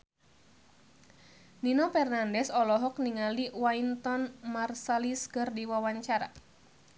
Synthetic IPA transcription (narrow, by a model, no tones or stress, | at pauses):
ninɔfɛrnandɛsɔlɔɦɔk̚niŋaliwaint̪ɔnmarsaliskɨrdiwawaɲt͡ʃaɾa̰